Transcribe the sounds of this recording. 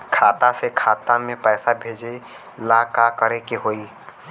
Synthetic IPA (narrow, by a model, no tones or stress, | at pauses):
kʰaːt̪asekʰaːt̪ãmẽpɛːsabʱeːd͡ʒe | laːkakəɾekeɦoːiː